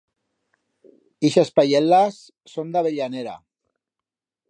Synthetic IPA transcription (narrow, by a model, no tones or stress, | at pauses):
iʃaspajɛlasː | ond̪aβeʎaneɾa̰